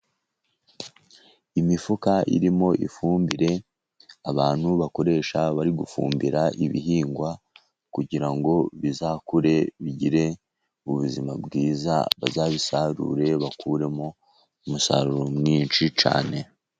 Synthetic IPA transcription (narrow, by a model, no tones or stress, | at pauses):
imifukaʔḭɾimo̞ʔifuːmbiɾe̞ | aβaːn̥huβako̞ɾe̞ːʃaβaɾiɡufṵːmbiɾaʔiβḭɦiːŋɡwa | kuɟiɾaŋɡo̞βizaːkuɾe̞βiɟiɾe̞ | uβuzima̰bɡiːza̰βa̰zaːβisaɾṵɾe̞βakʰuɾe̞mo̞ | umusa̰ɾuɾomŋiːnt͡ʃit͡ʃa̰ːne̞